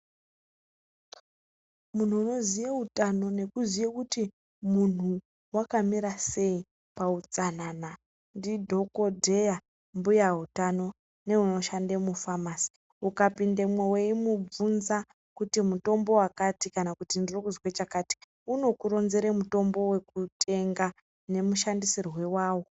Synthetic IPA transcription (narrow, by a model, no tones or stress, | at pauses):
mun̤uːno̞zijautano̞ne̞kuzijekuti | mun̤u | wakamiɾase̞i | paut͡sanana | ndidʱo̞ko̞dʱe̞ja | mbujaɦutano̞ | ne̞uno̞ʃandemufamasi̥ | ukapindemweweimub͡vunza | kutimuto̞mbo̞wakatikanakutindirokuzwet͡ʃakaːti̥ | uno̞kuɾo̞nze̞ɾemuto̞mbo̞we̞kutʰe̞ŋɡa | ne̞muʃandisirwe̞waːwo̞